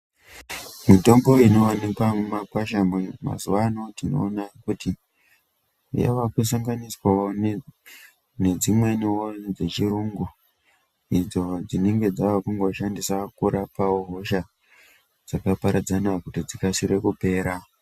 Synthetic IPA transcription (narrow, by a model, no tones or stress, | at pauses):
mito̞mbo̞ino̞wanikwamumakwaʃamwema̰zuwano̞tino̞̰ːnakuti | ja̰ʋakus̬aŋɡaniswawon | ne̞d͡zimwe̞niwod͡ze̞t͡ʃiɾuːŋɡu | id͡zo̞d͡zine̞ŋɡe̞d͡zawakuŋɡo̞ʃandisakuɾapawoɦo̞ʃa | d͡zakapaɾad͡zanakutid͡zikasiɾe̞kupe̞ːɾa